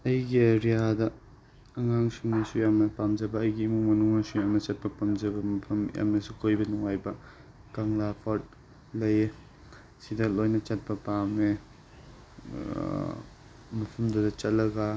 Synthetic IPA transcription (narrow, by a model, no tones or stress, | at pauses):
ɐjɡieɾijadɐː | ŋaŋsiŋnɐsujamnɐpamd͡ʒɐbɐːjɡiːmuŋmɐnuŋnɐsujamnɐt͡ʃɐt̚pɐpamd͡ʒɐbɐmɐpʰɐmja̰mnɐsukʰojbɐnuŋajbɐ | kaŋlapʰaɾt̚ | lɐje | sidɐtlojnɐt͡ʃɐt̚pɐpame | mɐpʰɐmdɐdɐt͡ʃɐt̚lɐɡa